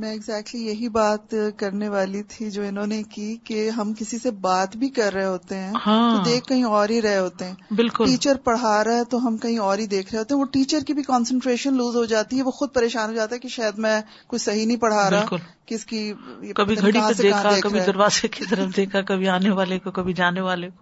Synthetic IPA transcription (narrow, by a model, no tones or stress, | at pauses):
mɛ̃ːɪɡzɛːk̚ʈlijɐɦibaːt̪kɐɾneʋaːlit̪ʰid͡ʒoːɪnõːnekiːkeɦɐmkɪsisebaːt̪bʱikɐɾːɐɦeɦoːt̪eɦɛ̃ːhãod̪eːkːɐɦĩɔːɾɦiɾɛɦeɦoːt̪eɦɛ̃ːbɪlːkʊliːt͡ʃəɾpɐɽ̤aːɾaɦɛt̪oɦɐmkɐɦĩɔːɾɦid̪eːkʰɾɐɦeɦoːt̪eɦɛ̃ʋoʈiːt͡ʃəɾkibʱikɔːnsə̃ɳʈɾeːʃənluːzɦod͡ʒaːt̪iɦɛʋoxʊd̪̚pɐɾeːʃaːnɦod͡ʒaːt̪aɦɛkeʃaːjəd̪mɛ̃ | kʊt͡ʃʰsɐɦinɐɦĩpɐɽ̤aːɾɪalkʊl | keɪskiɪkɐbʱiɡʱɐɽiɦãedeeːakʰadeːkɐbʱid̪ɐɾʋaːzekit̪ɐɾəfd̪eːkʰakɐbʱiaːneʋaːlekokɐbʱid͡ʒaːneʋaːleko